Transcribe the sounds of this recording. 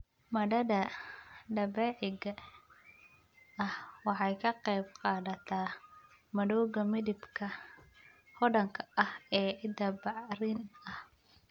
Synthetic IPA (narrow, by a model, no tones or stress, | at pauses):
mɐɽɐðɐɖɐbɛːʕɪɣɐ | ɐhwɑħɑjkʰɐqɛjbqɑːðɐt̪ʰaː | mɐɽɔːɣɐmɪðɪbkʰɐ | hɔɖɐŋkʰɐɐhɛːʕɪd̪ɐbɑʕrɪnɐh